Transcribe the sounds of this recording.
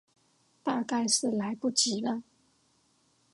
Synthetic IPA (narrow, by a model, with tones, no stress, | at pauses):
t̪a˥˧ka˥˩˧ɪʂɻ̩˥˩la˨˧˥ɪpu˥˩t͡ɕi˨˥˦lə˧˦